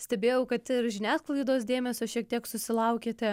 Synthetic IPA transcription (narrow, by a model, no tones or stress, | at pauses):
sʲt̪ʲɛbʲeːjɛʊkɐt̪ɪɾʒʲɪnʲæːsklˠɐɪd̪oːsd̪ʲeːmʲɛsʲoːʃʲiɛk̚t̪ʲiɛksʊsʲɪlˠɐʊkʲeːt̪ʲɛ